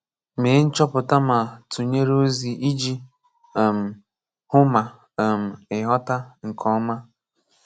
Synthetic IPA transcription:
me˨˦n̩˦t͡ʃɔ˦pʊ˨ta˦ma˨tu˨ɲe˦ɾo˦zi˨ʔi˦d͡ʒi˦˨ | m̩˨ | hʊ˦ma˨ | m̩˨ɪ˨ɦɔ˦ta˦ŋ̩˨kʰɔ˦ma˦

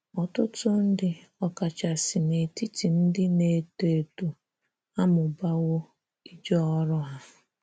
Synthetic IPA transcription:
ɔ˨tʊ˦tʊ˦n̩˦dɪ˦ | ɔ˦ka˨t͡ʃa˨sɪ˨ne˨ti˦ti˨n̩˦dɪ˦ne˨te˨tu˨ | a˦mʊ˨ba˦wʊ˦ | i˦d͡ʒɔ˦ɔ˦ɾɔ˦ɦa˦

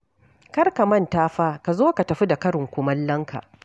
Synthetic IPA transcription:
kɐ˦rka˨mɐ˦ntaː˦ɸaː˦ka˨zoː˦ka˨tɐ˨ɸi˦da˨kɐ˦ɽɪ˨ŋkʷʊ˦mɐ˦lːɐ˦ŋkʰa̰˨

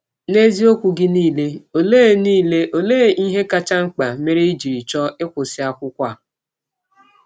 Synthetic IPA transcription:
ne˦zi˦o˦kʷu˨ɡɪ˦niː˦˨le˦o˨leː˦˨niː˦˨le˦ʔo˨le˦˨i˦ɦe˦ka˦t͡ʃa˦ŋ͡m̩˦k͡pa˨me˦ɾe˦i˦d͡ʒi˨ɾi˨t͡ʃɔ˦ɪ˦kʷʊ˨sɪ˦a˦kʷʊ˦kʷa˦˨

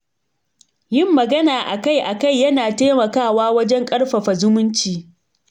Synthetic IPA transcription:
jɪ˦mːɐ˨ɡɐ˦naː˨ʔa˨ka˦˨jʔa˨ka˦˨jːɐ˦naː˨teː˦mɐ˨kaː˦˨waː˦wɐ˦d͡ʒɛ˦ŋkʼɐ˦ɽɸɐ˨ɸɐ˨zʊ˦mʊ˦nt͡ʃiː˨

